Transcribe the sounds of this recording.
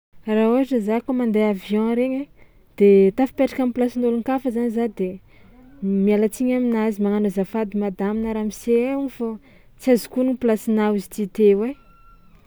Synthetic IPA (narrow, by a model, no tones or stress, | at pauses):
rauaʈ͡ʂəzakomand̪eavjɔ̃ɾeɲe | d̪̥et̪afi̥peʈ͡ʂḁkamiplasinoluŋkafəzanizad̪e | mialat͡siɲaminazimaŋanozafad̪imad̪aminəɾamiseauɲfo | t͡siazu̥kuniplasinauzi̥t̪it̪ewe